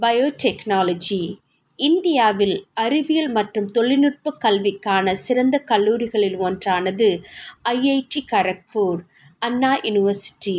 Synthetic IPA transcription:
bɐjoːʈɛknaːlɐd͡ʒi | ɪnd̪ɪjaːʋɪlɐɾɪʋɪjɐlmɐʈrɯmt̪ɔɭːɪnɯʈ̚pɐkːɐlʋɪkːaːnɐsɪɾɐnd̪ɐkɐɭːuːɾɪɣɐɭɪloːndraːnɐðɯɐjɐɪʈːikɐɾɐk̚poːɾ | ɐnːaːjʊnɪʋɐɾsɪ̥ʈːi

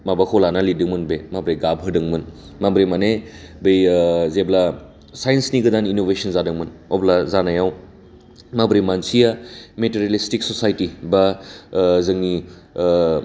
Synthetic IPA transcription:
mabakʰɔwlanalidɯŋmɯnbemabɾejɡabɦɯdɯŋmɯnmabɾemanebɯjzebla | sajensniɡɯdaninobesɯnzadɯŋmɯnɔblazanajaw | mabɾemansijameteɾalistiksɔsajtiba | zɯŋni

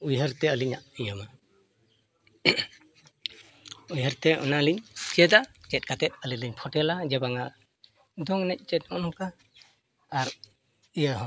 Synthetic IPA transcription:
ujɦəɾt̪ɛəliɲaʔijama | ujɦəɾt̪ɛɔ̰naliɲskɛd̪aʔkɛt̚kat̪ɛt̪̚əliliɲpʰɔʈɛlad͡ʒɛbaŋa | d̪ɔŋnɛc̚ˀt͡ʃɛt̚ɔnhɔkaː | ɾ | ijaɦɔ

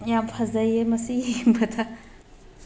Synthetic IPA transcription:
jampʰɐzɐjemɐsijiŋbɐtʰɐ

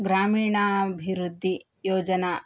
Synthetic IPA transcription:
ɡɾaːmiːɳɐbʱiɾud̪ʱːi | jɔːd͡ʒɐnɐ

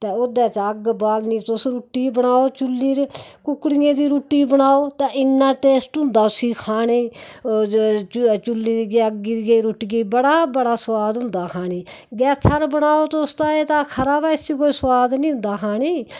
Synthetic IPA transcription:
t̪ẽːod̪ɛːt͡ʃːəɡbaːlnĩːt̪ʊsɾuʈːiːbəɳaːoːt͡ʃʊlːiːɾkʊkːɽijẽːd̪iːɾuːʈːiːbəɽaːoːt̪ãːʔɪnːãːʈeːsʈɦʊ̃nd̪aːsiːkʰaːneː | t͡ʃt͡ʃʊlːiːɾiɡɛːəɡiːɡeiːɾuːʈːiːɡeiːbəɽaːbəɽaːswaːd̪ɦʊ̃nd̪aːkʰaːniːɡɛːt̪ʰːəɾbəɽaːoːt̪oʊst̪aːeːt̪ãːkʰəɾaːbaːɪsiːkoːiːswaːd̪nĩːɦʊ̃nd̪aːkʰaːniː

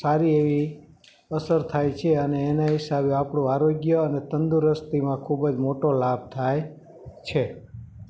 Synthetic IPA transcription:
saɾieʋi | əsəɾt̪ʰajt͡ʃʰeəneːnaɦisabjeapɽõaɾoɡjəənet̪ənd̪uɾəst̪imãkʰubəd͡ʒmoʈolab̚t̪ʰaj | t͡ʃʰe

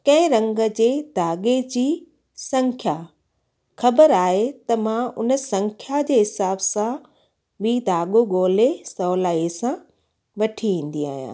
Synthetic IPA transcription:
kɐ̃ɦɪ̃ɾɐ̃ŋɡə̆d͡ʑeːd̪ʱaːɡed͡ʑiː | sɐ̃ŋkʰja | xɐbəɾaːɦet̪ɐmãʊ̰nə̆sɐ̃ŋkʰjad͡ʑeːɦɪsaːbsã | ɓiːd̪ʱaːɠoɡoːlesɔːlaːesã | ʋɐʈʰiʋĩːn̆d̪ia̰ːɦijã̰ː

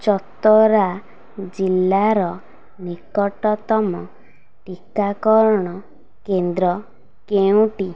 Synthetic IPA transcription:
t͡ʃɔt̪ɔɾa | d͡ʒilːaɾɔ | nikɔʈɔt̪ɔmɔ | ʈikakɔɾɽ̃ɔ | kend̪ɾɔ | keũʈi

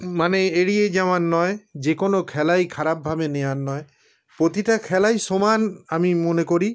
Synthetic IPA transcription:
maneeɹied͡ʒamanːɔjd͡ʒekonokʰɛlajkʰaɾab̚bʱabenejanːɔj | pɹot̪itakʰɛlajsomanamimonekoɾi

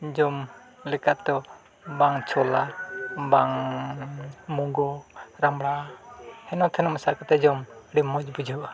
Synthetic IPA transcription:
d͡ʒɔm | likat̪ɔ | baŋt͡ʃɔlabaŋ | muŋɡɔɾamlahɛnɔt̪ʰɛnɔmasakat̪ad͡ʒɔmdimɔd͡ʒbud͡ʒɔ

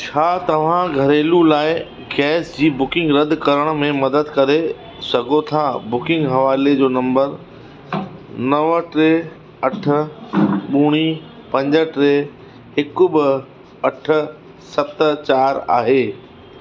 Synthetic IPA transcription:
t͡ɕʰaːt̪ɐʋ̤ãɡʱɐɾeːlulaːɪ | ɡɛːsd͡ʑiːbʊkɪ̃ŋɡɾɐd̪ʱkɐɾəɽ̃ʊ̆mẽmɐd̪əd̪kɐɾe | sɐɡʱot̪ʰabʊkɪ̃ŋɡɦɐʋaːled͡ʑoːnɐ̃mbəɾ | nɐʋəʈɾeː | ɐʈʰə̆ɓuːɽ̃iː | pɐ̃ɲd͡ʑəʈɾeː | ɦɪkʊbɪ | ɐʈʰə̆ | sɐpt̪ət͡ɕaːɾa̰ːɦeː

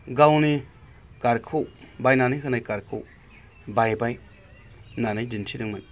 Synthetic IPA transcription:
ɡawni | kaɾkʰuwbajnanɯjkɯnajkaɾkʰuw | bajbaj | nanajd͡ʒintʰidɯŋmɯn

